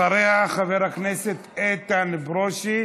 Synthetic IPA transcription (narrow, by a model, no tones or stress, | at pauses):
aɾeaχaveɾakneset̪et̪anbɾoʃi